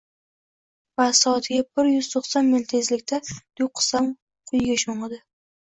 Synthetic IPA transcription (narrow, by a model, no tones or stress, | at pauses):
vasɒt̪ʰɪɡʲabɪɾjʏz̥t̪ʰoχsɒnment̪ʰezlɪkʲt̪ʰad̪̥ʊjqʰɨ̥sam | qʰʊjɡʲaʃoɴɨd̪ɪ